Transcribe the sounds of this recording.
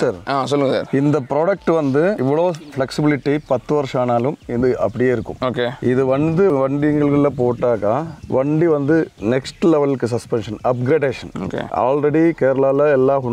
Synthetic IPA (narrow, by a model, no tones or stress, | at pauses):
sɐɾaːsɔlːɯŋɡɐsa̰ːɾɪnd̪ɐpɪɾoːɽɐk̚ʈɯʋɐnd̪ɯɪʋːɐɭoːfɭɛksɪbɪlɪʈːipɐt̪ːɯʋɐɾʂaːnaːlɯmɪðɯɐpːɐɽɪjeːɪɾɯkːɯ̰̃moːkeːɪðɯʋɐnd̪ɯʋɐɳɖɪjɐŋɡɐɭɣɐɭːɐpoːʈːaːkãːʋɐɳɖiʋɐnd̪ɯnɛksʈɯlɛʋɐlkːɯsɐspɛnʂɐnɐp̚ɡɾeːɖeːʂɐno̰ːkḛːa̰ːlɾɛɽikeːɾɐlaːlɐɛlːaːkʊn